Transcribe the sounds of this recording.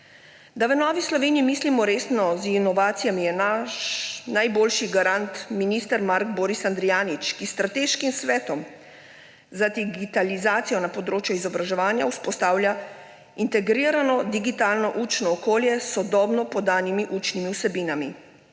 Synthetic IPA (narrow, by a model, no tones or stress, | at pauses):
d̪aʋənɔːʋislɔʋeːniimiːslimɔɾeːsnɔzinɔʋaːt̪sijamijɛna | najboːlʃiɡaɾant̪minist̪ɛɾmaɾɡboːɾisand̪ɾijaːnit͡ʃkist̪ɾat̪eʃkimsʋɛːt̪ɔm | zad̪iɡit̪alizaːt̪sijɔnapɔd̪ɾoːt͡ʃjuizɔbɾaʒɛʋaːnjauspɔst̪aːwlʲja | int̪ɛɡɾiːɾanɔd̪iɡit̪aːlnɔʔut͡ʃnɔːkoːljɛsːɔd̪ɔːbnɔpɔd̪aːnimiʔut͡ʃnimiusɛbiːnami